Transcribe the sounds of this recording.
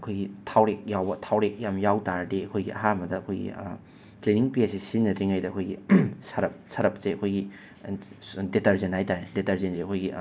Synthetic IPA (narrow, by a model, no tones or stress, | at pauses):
ɐkʰojɡitʰawɾek̚jawbɐtʰawɾek̚jamjawtaɾdeɐkʰojɡiʔɐ̰ɦamɐdɐːkʰojɡḭ | kliniŋpiesisinːɐtɾiŋajdɐɐkʰojɡisɐɾɐp̚sɐɾɐp̚seɐkʰojɡi | detɐɾzenhajtaɾedetɐɾzenzeɐkʰojɡi